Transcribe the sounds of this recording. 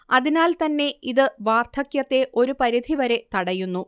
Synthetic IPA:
ɐðinaːlt̪ɐnːe̞iðɨʋaːrt̪ʰɐkjɐt̪ːe̞ʔo̞ɾupɐɾid̪ʱiʋɐɾe̞t̪ɐɽɐjunːu

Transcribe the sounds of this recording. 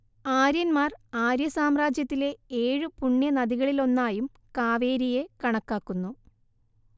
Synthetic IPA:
aːɾjɐnmaːraːɾjɐsaːmraːd͡ʑjɐt̪ːile̞eːɻɨpuɳːjɐnɐðiɣɐɭilo̞nːaːjum | kaːʋe̞ːɾije̞kɐɳɐkːaːkːunːu

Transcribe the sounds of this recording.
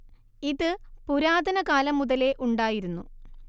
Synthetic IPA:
iðɨpuɾaːd̪ɐnɐkaːlɐmːuðɐle̞ʔuɳɖaːjiɾunːu

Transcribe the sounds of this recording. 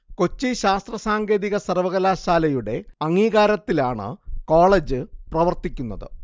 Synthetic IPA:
ko̞t͡ɕːiɕaːst̪rɐsaːŋɡe̞ːðiɣɐsɐrʋɐɣɐlaːɕaːlɐjuɽe̞ɐŋːiːɣaːɾɐt̪ːilaːɳɨ̰ko̞ːɭeːd͡ʑɨprɐʋɐrt̪ikʲːunːɐðɨ̰

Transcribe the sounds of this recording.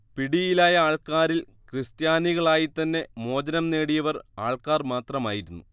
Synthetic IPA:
piɽijilaːjɐaːɭkaːɾil | krist̪jaːniɣɐɭaːjit̪ːɐnːe̞mo̞ːd͡ʑɐnɐmne̞ːɽijɐʋɐra̰ːɭkaːrmaːt̪rɐmaːjiɾunːu

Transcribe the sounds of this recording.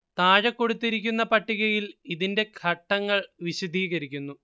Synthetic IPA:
t̪aːɻɐkːo̞ɽut̪ːiɾik̬ʲːunːɐpɐʈːiɣɐjiliðinde̞ɡʱʰɐʈːɐŋːɐɭʋiɕud̪ʱiːɣɐɾikʲːunːu

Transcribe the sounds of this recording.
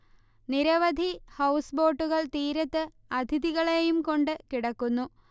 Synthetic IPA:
niɾɐʋɐd̪ʱihɐwsbo̞ːʈːuɣɐɭt̪iːɾɐt̪ːɨ | ɐd̪ʱiðiɣɐɭejumko̞ɳɖɨkiɽɐkːunːu

